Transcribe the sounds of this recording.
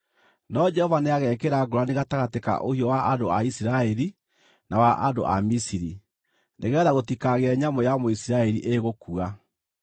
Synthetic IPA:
nɔd͡ʒɛhɔvaneaɣɛkeɾaɡoɾaneɣataɣateka̰ʔohiɔwaʔadoaisiɾaɛɾi | nawaʔa̰do̰ʔa̰misiɾi | nʔeɣɛːðaɣotikaɣeɛɲamojamoisiɾaɛɾiʔeɣokua

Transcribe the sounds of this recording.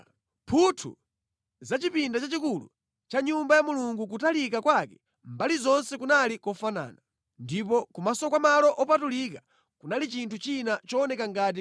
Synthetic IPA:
pʰutʰṵ | zat͡ʃipindat͡ʃat͡ʃikulṵ | t͡ʃaɲumbajamuluŋɡuk̬utalikakwakɛ̥ | mbalizɔnsɛkunalikɔfana̰ːna | ndip̬ɔkumasɔkwamalɔʔɔpatulika | kunalit͡ʃintʰut͡ʃinat͡ʃɔːnɛkaŋɡaːt̬i

